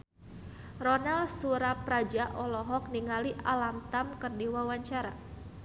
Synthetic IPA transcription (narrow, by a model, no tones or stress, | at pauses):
rɔnalsuɾapɾad͡ʒaʔɔlɔɦɔk̚niŋaliʔalamt̪amkərdiwawaɲt͡ʃaɾa